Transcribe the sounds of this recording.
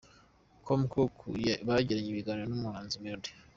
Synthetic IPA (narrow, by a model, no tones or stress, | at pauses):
kʰomkokʰṵjaβaɾaɟiɾaɲeβiɡanenumuhaːnzimeɾdi